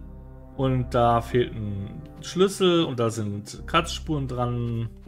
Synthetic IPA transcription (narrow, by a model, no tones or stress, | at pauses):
ʔʊnt̚d̥aːfeːltn̩ | ʃlʏsl̩ʊnt̚d̥aːzɪntkʰat͡sʃpuːʁəndʁan